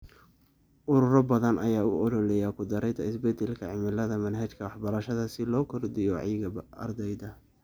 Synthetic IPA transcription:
ʔʊɾʊɾɔbɐðɐnʔɐjaːʊ̰ʔɔɾɔlɛjakʰʊd̪ɐɾɛt̪ʰɐɪsbɛd̪ɛlkʰɐʕɪmɪlɐðɐmɐnɦɐt͡ʃkʰɐwɑħbɐɾɐʃɐðɐsɪlɔːkʰɔrd̪ɪjɔʕijɡɐɐ̰rd̪ɛjd̪ɐ

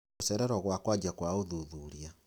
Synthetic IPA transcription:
osɛɾɛɾɔɣwakwad͡ʒakwaoðuðuɾia

